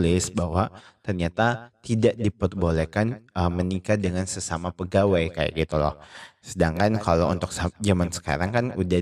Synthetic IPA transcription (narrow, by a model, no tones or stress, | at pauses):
lɪsbawat̪ərɲat̪at̪idaʔdipər̚bolekanəmənikadəŋansəsamapəɡawajkaja̰ʔɡit̪ulɔ̰hsədaŋkankalowṵnt̪ʊk̚sd͡ʒamansə̥ka̰ɾaŋkanuda